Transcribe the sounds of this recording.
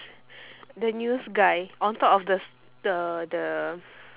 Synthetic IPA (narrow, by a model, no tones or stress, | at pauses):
dənjusɡajʔɔ̃nt̪ɔpɔfdə | ədə